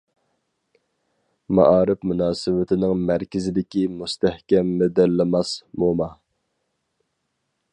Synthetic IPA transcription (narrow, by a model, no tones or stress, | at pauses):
mɑ̰ʔɑːɾɪpmunɑːsɨwɪt̪ʰɪnɪŋmæɾkʲʰɪzɪd̪ɪkʲimust̪ʰæhkʲɛmːɛd̪æɾlɪmɑsbomɑ